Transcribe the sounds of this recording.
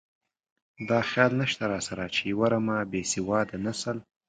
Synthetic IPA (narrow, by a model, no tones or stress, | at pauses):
d̪ɑːxjɑlnaʃt̪aɾɑsaɾat͡ʃewaɾamabesɪwɑd̪ənasəl